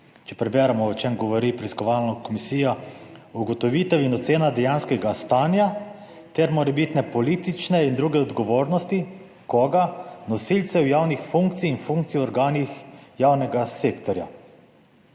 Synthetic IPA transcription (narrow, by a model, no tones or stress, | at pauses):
t͡ʃɛpɾɛbɛːɾamɔwt͡ʃeːmɡɔʋɔɾipɾɛiskɔʋaːlnɔkɔmisiːjɔuɡɔt̪ɔʋiːt̪aʋinɔt̪seːnad̪ɛjaːnskɛɡast̪aːnja | t̪ɛɾmɔɾɛbit̪nɛpɔliːt̪it͡ʃnɛind̪ɾuːɡɛɔd̪ɡɔʋoːɾnɔst̪i | kɔːɡanɔsilt̪sɛwjaːwnixfuŋkt̪siːnfuŋkt̪sijɔɾɡaːnixjaːwnɛɡaseːkt̪ɔɾja̰